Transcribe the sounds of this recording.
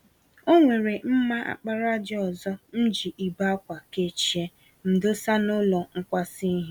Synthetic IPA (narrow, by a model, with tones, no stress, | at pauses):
o˦ŋʷe˨ɾe˨m̩˦ma˦ʔa̰˨k͡pa˦ɾa˦d͡ʒɪ˦ɔ˨zɔ˦n̩˦d͡ʒi˨ʔi˨ba˦kʷa˨ke˦t͡ʃi˨e˦ | m̩˨dʊ˦sa˦nʊ˦lɔ˨ŋ̩˦kʷa˦si˦ɦ